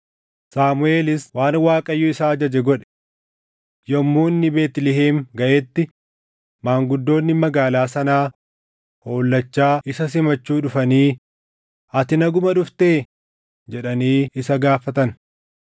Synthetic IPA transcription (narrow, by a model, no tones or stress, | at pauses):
saːmʊe̞ːlɪswaːnwaːkʼɐjːuːɪsaːɐd͡ʒɐd͡ʒɛɡɔᶑɛ̥ | jɐmːuːnːɪbe̞ːt̪ɪlɪɦeːmɡɐʔeːt̪ːɪ | maːŋɡʊd̪ːo̞ːnːɪmɐɡaːlaːsɐnaː | ho̞ːlːɐt͡ʃːaːʔɪsɐs̬ɪmɐt͡ʃːuːᶑʊfɐniː | ɐt̪ɪnɐɡʊmɐᶑʊft̪eː | d͡ʒɛᶑɐniːɪsɐɡaːfɐt̪ɐn